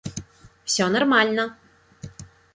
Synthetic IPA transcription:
fsʲɔnɐrmalʲnə

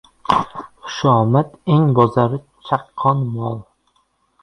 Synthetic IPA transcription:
χʊ̥ʃɒːmat̪eŋbɒzaɾɪ | t͡ʃʰaqʰːɒnmɒlˠ

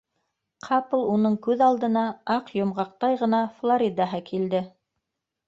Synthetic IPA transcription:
qʰɑplˠunɤɴkʉðɑlˠd̪ɤ̆nɑɑqjŏmʁɑq̚t̪ɑjʁɤ̆nɑflˠoɾʲid̪ɑɦɤkʰild̪ɘ

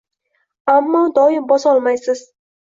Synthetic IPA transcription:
amːɒd̪ɒɪmbɒsɒlˠmajsɪz̥

